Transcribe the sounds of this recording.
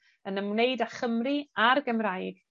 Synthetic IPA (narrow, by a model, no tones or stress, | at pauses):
ənəmwnejdaχəmriarɡəmrajɡ̥